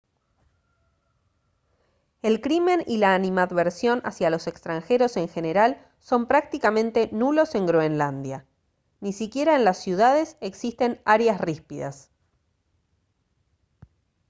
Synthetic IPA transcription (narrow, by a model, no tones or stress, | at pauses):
e̞lkɾime̞nilaːnimaðβeɾsjo̞na̰sjalo̞se̞kst̪ɾaŋxe̞ɾo̞se̞ŋxe̞ne̞ɾal | so̞mpɾak̚t̪ikamẽ̞nt̪e̞nulo̞se̞ŋɡɾoenland̪ja | nisikje̞ɾaenlasːjuðað̞e̞seksist̪e̞naɾjasrispiða̰s